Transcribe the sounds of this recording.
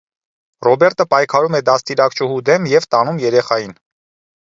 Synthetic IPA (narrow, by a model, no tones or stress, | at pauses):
rɔbɛɾt̪ʰəpɑjkʰɑɾumɛd̪ɑst̪iɾɑkt͡ʃʰuhud̪ɛmjɛvt̪ɑnumjɛɾɛχɑjin